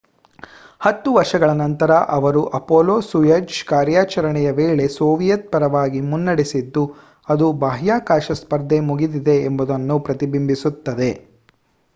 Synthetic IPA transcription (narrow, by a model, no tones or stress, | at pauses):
hɐt̪ːuʋɐɾʂɐɡɐɭɐnɐnt̪ɐɾɐʔɐʋɐɾuʔɐpoːloːsujɐd͡ʒkaːɾjaːt͡ʃɐɾɐɳɛjɐʋeːɭe̞soːʋijɐt̪̚pɐɾɐʋaːɡimunːɐɽisid̪ːu | ɐd̪ubaːɦjaːkaːʃɐspɐɾd̪ʱemuɡid̪id̪e̞ːmbud̪ɐnːupɾɐt̪ibimbisut̪ːɐd̪e̞